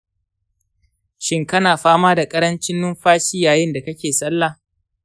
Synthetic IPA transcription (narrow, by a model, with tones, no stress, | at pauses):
ʃɪ˦ŋkɐ˦naː˨ɸaː˦maː˦da˨kʼɐ˦ɾɐ˦nt͡ʃɪ˦nːʊ˦mɸaː˦ʃɪ˦jaː˨jɪ˦nda˨kɐ˦kʲeː˨sʼɐ˦lːa˨